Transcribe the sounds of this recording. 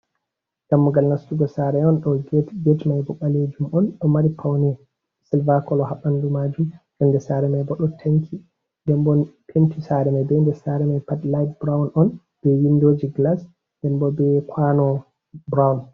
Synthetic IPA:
ɡ̥amːuɡalnastuɡɔsaɾɛɔnɗɔɡɛtmajbɔɓaled͡ʒumɔnɗɔmaɾipʰawnɛ | silvakɔlɔhaɓandumad͡ʒumd͡ʒɔndɛsaɾɛmajbɔɗɔtʰaŋkʰi | dɛmbɔnpʰentisaɾɛmajbɛndɛsaɾɛmajpatlajd̚bɾawnʔɔn | b̥ɛwindod͡ʒiɡlas | dɛmbɔbɛkʰwanɔ | bɾawn

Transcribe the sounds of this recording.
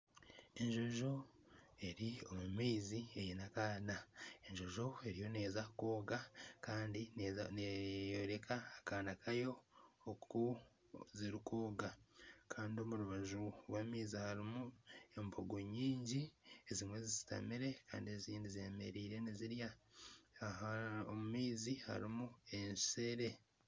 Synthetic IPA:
e̞ɲʒo̞ʒo̞ | e̞ɾio̞mumiːzie̞jenakaːnae̞ɲʒoʒo̞e̞ɾijo̞ne̞ːzakoːɡakaːndinejoɾe̞kʰaːkaːnakʰajo̞ː | u | ziɾikoːɡakʰaːndio̞muɾuβaʒuɾwamiːzihaɾimue̞mbo̞ɡo̞ɲiːɲɟiezimwe̞zizi̥ta̰miɾe̞ka̰ːndie̞ziːndizieme̞̰ɾiːɾe̞niziɾja | aomumiːziha̰ɾimue̞nse̞ɾe̞

